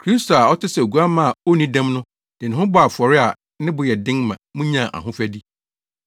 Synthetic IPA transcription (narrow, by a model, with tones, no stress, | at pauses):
kʰɾi˦sto˨a˨ɔ˦tɪ˦sɛ˨o˨ɡu˨˦a˦mã˦a˨o˦nĩ˦dã˦mnʊ̃˦ | d̥ɪ˨nɪ̃˨ɦʊ̃˦bɔ˦a˨fʊ˨ɔ˨ɾɪ˦a˨ | nɪ̃˦bʊ˨jɛ˨dɪ̃˦ŋmã̰˨mũ˦ɲã˦˨ʔa̰˨ɦʊ̃˦fæ˦di˦